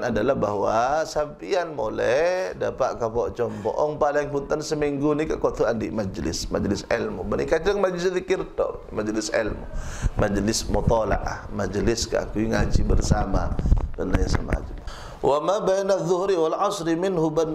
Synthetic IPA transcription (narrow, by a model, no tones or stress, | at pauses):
nadalahba̰hwasampianmolɛdapaʔkapɔt͡ʃɔmpɔ̰ʔɔŋpalɪŋpunt̪ansəmiŋɡunikaʔkɔt̪uandiʔmad͡ʒlɪ̰smad͡ʒlɪsɛlmubanikad͡ʒaŋmad͡ʒlɪsðikɪrt̪ɔ̰mad͡ʒlɪsɛ̰lmṵmad͡ʒlɪsmɔt̪ɔla̰ʔa̰hmad͡ʒlɪska̰ʔkuiŋad͡ʒibərsamadənajasa̰ma̰d͡ʒl | wʔamabajnaðːʊhɾiwalʕɑsɾimɪnhuban